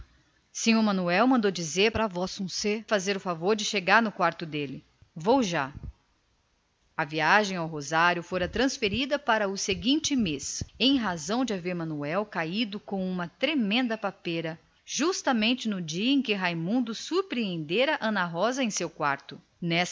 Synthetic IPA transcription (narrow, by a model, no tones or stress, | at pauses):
sĩɲoɾmɐ̃nuɛwmɐ̃nd̪od͡ʒizeɾpɾɐvɔsũsefazeɾʊfavoɾd͡ʒɪʃeɡaɾnʊkwaɾt̪ʊd̪elɪ | vowʒa | ɐviaʒẽj̃awɦozaɾjʊfoɾɐt̪ɾɐ̃sfeɾid̪ɐpaɾɐʊseɡĩt͡ʃɪmesẽj̃ɦazɐ̃w̃d͡ʒɪaveɾmɐ̃nuɛwkaid̪ʊkõũmɐt̪ɾemẽnd̪ɐpapeɾɐ | ʒust̪ɐmẽnt͡ʃɪnʊd͡ʒiɐẽj̃kɪɦajmũnd̪ʊsuɾpɾiẽnd̪eɾɐʔɐ̃nɐɦɔzɐẽj̃sewkwaɾt̪ʊ | nɛs